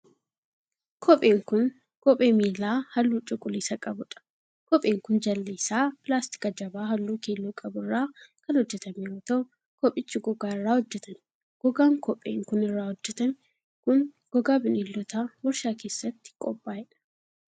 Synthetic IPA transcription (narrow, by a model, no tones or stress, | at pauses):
kʰɔpʼeːŋkʊn | kɔpʼeːmiːlːaːhɐlːuːt͡ʃʼʊkʼʊliːsɐkʼɐbʊᶑɐ̥ | kɔpʼeːŋkʊnd͡ʒɐlːeːsaːpɪlaːst̪ɪ̥kɐd͡ʒɐbaːɦɐlːuːkeːlːuːkʼɐbʊrːaːkɐnhɔd͡ʒːɛt̪ɐmeːɔt̪o | kɔpʼɪt͡ʃːɪɡɔɡaːɪrːaːhɔd͡ʒːɛt̪ɐn | ɡ̥ɔɡaːŋkʰɔpʼḛːŋkʊnɪrːaːhɔd͡ʒːɛt̪ɐn | kʊn | ɡ̥ɔɡaːbɪnilːɔt̪awɔɾʃaːke̞ːsːɐt̪ːɪ̥kʼɔpʼːaːɛᶑɐ̥